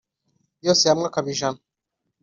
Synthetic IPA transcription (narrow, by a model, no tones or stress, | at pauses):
josejamŋakaβiʒan